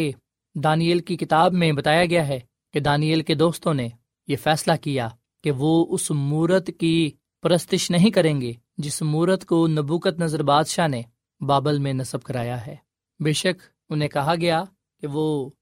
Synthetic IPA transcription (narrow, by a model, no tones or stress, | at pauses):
e | d̪aːnijəlkikɪt̪aːbmẽbɐt̪aːjaɡɐjaɦɛ | ked̪aːnijəlked̪oːst̪õne | jefɛːslakija | keʋoːʊsmuːɾət̪ki | pɐɾəst̪ɪʃnɐɦĩkɐɾẽːŋɡeː | d͡ʒɪsmuːɾət̪konɐbuːkət̪nɐzəɾbaːd̪ʃane | baːbəlmẽnɐsəb̚kɐɾaːjaɦɛː | beːʃək | ʊnɦẽkɐɦaɡɐja | keʋoː